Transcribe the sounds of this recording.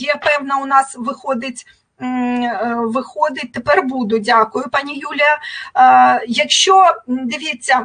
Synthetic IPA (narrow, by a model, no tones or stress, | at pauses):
jɛpɛwnɐʊnɑsʋɪxɔd̪ɪtʲ | ʋɪxɔd̪ɪt̚ʲt̪epɛrbud̪ʊdʲakʊjʊpɑnʲijulʲijɐ | jɐkʃt͡ʃɔd̪ɪʋʲit͡sʲːɐ